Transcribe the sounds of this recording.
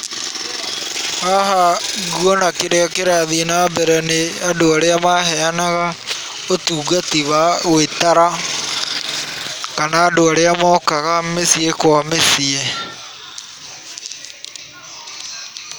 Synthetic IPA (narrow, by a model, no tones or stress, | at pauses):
haɦaɣuɔnakeɾeɔkeɾaðinabɛɾɛneadoaɾeamaɦɛanaɣa | otuːɣatiβaɣwetaɾa | kanaːdoaɾeamɔːkaɣamesiekwamesie